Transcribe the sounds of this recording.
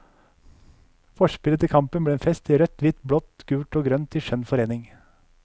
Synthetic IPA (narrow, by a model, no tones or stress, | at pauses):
fɔʃpɪlət̪ʰɪkʰɑmpənbleːeːnfɛst̪iːɾœt̪ʰʋɪt̪bɽɔt̪ɡ̥ʉːʈoːɡɾœnt̪ʰiʃœnfɔɾeːnɪŋ